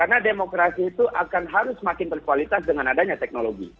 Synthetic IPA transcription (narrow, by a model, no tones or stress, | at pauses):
karnademokɾasiːt̪uʔakanɦaɾʊsmakɪnt̪ərkualit̪asdəŋanadaɲat̪ɛk̚noloɡḭ